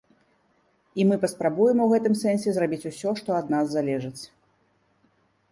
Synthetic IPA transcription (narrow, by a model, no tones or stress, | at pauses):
imɨpɐspɾabujɛmɐwɣɛt̪ɨmsɛnʲsʲɛzrabʲit͡sʲusʲɔʂt̪ɔɐd̪nazːalʲɛʐɨt͡sʲ